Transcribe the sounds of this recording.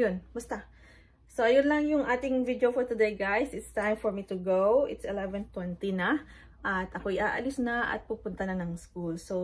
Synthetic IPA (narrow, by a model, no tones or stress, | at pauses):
jonmʊst̪ɐ | soʔɐjonlɐŋjʊŋʔaːt̪ɪŋvid̪jofɔɹt̪ʊd̪ejɡajsɪt̪st̪ãjmfɔɹmit̪ʊɡowʔɪt̪sɛlɛvɛnt̪wɛnt̪inɐ | ʔɐt̪ʔɐko̞ʔɪʔaːʔɐlɪsnɐʔɐ̰t̪̚pɐɡ̚pʊnt̪ɐnɐnɐŋskulso